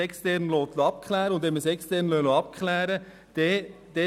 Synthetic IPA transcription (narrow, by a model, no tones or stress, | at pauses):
ɛkst̪ɛɾnloːt̪loɑp̚kʰχlæːɾəʊnd̪ɛməsɛkst̪ɛɾnløloɑpkʰχlɛːɾə | d̥ɛd̪̥ɛ